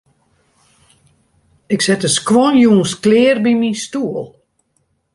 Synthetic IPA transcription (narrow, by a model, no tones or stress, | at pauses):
ɪksɛtəskwɔnjuənsklɪərbiminstuəlˠ